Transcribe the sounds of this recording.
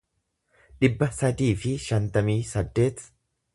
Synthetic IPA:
ᶑɪbːɐsɐd̪iːfɪʃɐnt̪ɐmiːsɐd̪ːe̞ːt̪

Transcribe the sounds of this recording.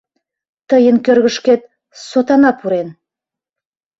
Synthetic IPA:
t̪ə̆jə̆nkʲøɾɣɘ̆ʃket̪̚ | sot̪ɑnɑpʰuɾen

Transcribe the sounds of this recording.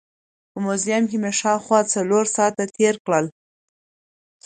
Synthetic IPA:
pəmozijamkemeʃɑwxwɑt͡saloɾsɑt̪at̪eɾkɽəl

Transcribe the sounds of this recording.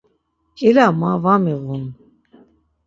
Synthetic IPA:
ilamavamiɣun

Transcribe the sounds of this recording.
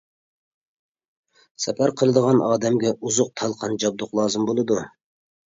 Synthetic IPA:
sɛpʰæɾqʰəlˠɨd̪əʁɑnɑːd̪ɛmɡʲɛʔuzʊq̚t̪ʰɑlˠqʰɑnd͡ʒɑb̚d̪ʊqlˠɑːzɨmbolˠɨd̪u

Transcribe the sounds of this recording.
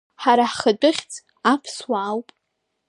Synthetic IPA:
ħaɾaħχadɨχʲt͡sʼ | apʰswaːwpʼ

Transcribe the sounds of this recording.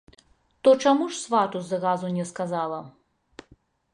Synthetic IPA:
t̪ɔt͡ʂamuʂsvat̪uzɐɣazunʲɛskazalˠɐ

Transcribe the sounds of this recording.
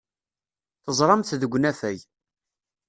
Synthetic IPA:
θəzˤɾˤɑmθðəɡʷːnæfæj

